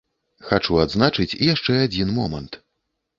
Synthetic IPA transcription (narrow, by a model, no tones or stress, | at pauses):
xat͡ʂuad̪znat͡ʂɨt͡sʲijaʂt͡ʂɛad͡zʲinmɔmɐnt̪